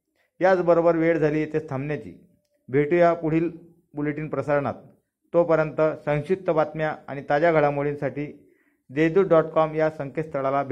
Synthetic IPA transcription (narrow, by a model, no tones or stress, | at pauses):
jat͡sbəɾobəɾʋeɽd͡zʱaliːet̪est̪ʰamnjat͡ɕḭː | bʱeʈujapuɽ̤iːl | buleʈiːnpɾəsaɾɳa̰t̪̚ː | opəɾjənt̪əsə̃ŋ̃ɕit̪əbat̪mjaa̰ɽ̃it̪ad͡ʑjaɡʱəɭamoɭinsaʈiː | d̪ed̪uɖɔʈkɔmjasəŋkest̪ʰəɭalabʱ